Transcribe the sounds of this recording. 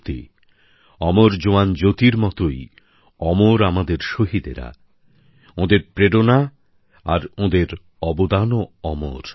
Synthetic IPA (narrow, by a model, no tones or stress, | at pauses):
t̪ḛ | ɔmoɾd͡ʑoand͡ʑot̪iɾmɔt̪oj | ɔmoɾamad̪eɾʃoɦid̪ḛɾa̰ | õd̪eɾpɾeɽona | a̰ɾõd̪eɾ | ɔbod̪anoɔmo̰ɾ